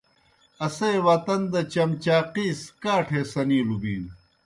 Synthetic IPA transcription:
ɐsejwɐt̪ɐnd̪ɐt͡ɕɐmt͡ɕaːqiːskaːʈʰeːsɐniːlubiːn

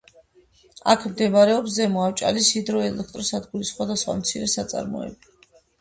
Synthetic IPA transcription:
a̰kʰmd̪ɛmaɾɛɔps̬zɛmɔaft͡ʃʼa̰lisid̪ɾɔɛlɛk̚ʰt̪ʼɾɔsad̪ɡulisχwad̪asχwa̰mt̪sʰiɾɛsat̪sʼa̰ɾmɔ̰ɛ̰bi

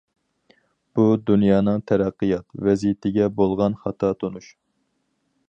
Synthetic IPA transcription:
b̥ud̪unjɑːnɨŋt̪ʰæɾæqːɨjɑt̪vɛzijt̪ʰɪɡʲɛbolˠʁɑnχɑt̪ʰɑt̪ʰonuʃ

